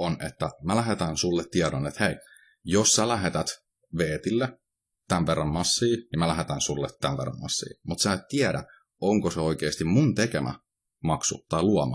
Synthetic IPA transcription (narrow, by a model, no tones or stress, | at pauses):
onet̪ːæmælæɦet̪ænsulːet̪tːiɛɾonet̪hei | jossælæɦet̪æt̪ | ʋeːt̪ilːe | t̪ænʋerːɑmmɑsːiːnimælæɦet̪ænsulːet̪ːæʋʋḛrːɑ̰mmɑ̰sːḭːmut̪sæːt̪t̪iæɾæ̰ | oŋkoseoikeːst̪immunt̪ekemʔæ̰ | mɑksṵt̪ɑiluɑmɑ